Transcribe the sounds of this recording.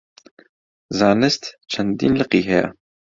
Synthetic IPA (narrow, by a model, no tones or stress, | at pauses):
zɑːnɨst̪t͡ʃʰɐnd̪ḭːnlɨqiːɦɛja̰